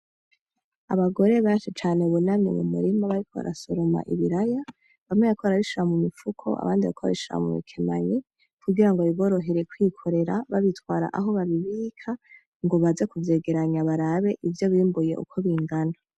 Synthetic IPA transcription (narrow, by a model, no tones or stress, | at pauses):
a̰βaɡo̞ɾe̞βat͡ʃet͡ʃaːne̞uβunamɲḛmumṵɾimaβaɾikʰoβa̰ɾa̰so̞ɾo̞ma̰ʔiβiɾaja | βamŋeβakʰoβaɾaβiʃuɾamumifukʰo̞̰ʔa̰βaːndiβa̰koβa̰βiʃuɾa̰mṵmḭkʰema̰ɲe | kʰuɡiɾaŋɡoiβo̞ːɾo̞ɦe̞ɾekwikʰo̞ɾe̞ɾaβaβitwaːɾa̰ʔaɦo̞βaβiβiːkʰa | ŋɡo̞βazekuvje̞ɡe̞ɾaɲaβaɾaβe̞ʔivjo̞βiːmbuje̞̰ʔṵkʰo̞βiŋɡana